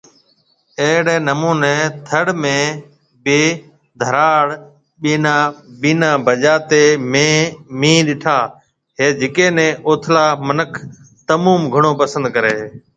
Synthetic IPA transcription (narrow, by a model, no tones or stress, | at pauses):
eːɦɽeːnəmuːneːt̪ʰəɽmẽː | ɓeː | d̪ʱəɾaːɽ | ɓiːnãːɓiːnãːbʱəʄaːt̪eːmẽːmĩːɗɪʈʰaː | ɦeːd͡ʒɪkeːnẽːʔoːt̪ʰlaːmənəkʰ | t̪əmuːmɡʱəɳ̃oːpəsə̃nd̪kəɾeː